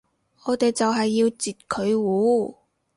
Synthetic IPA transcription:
ɔː˨˧t̪e˨jt͡sɐ˨wɦɐ˨jːiː˧wt͡siː˨t̚kʰɵ˨˧ɥwuː˨˥

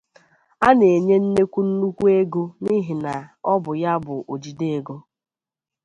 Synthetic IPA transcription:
a˦ne˨e˨ɲe˦n̩˦ne˦kʷu˦n̩˦nu˦kʷu˦e˦ɡo˦ni˦ɦi˨na˨ɔ˦bʊ˨ja˦bʊ˨ʔo˨d͡ʒi˨de˦e˨ɡo˦

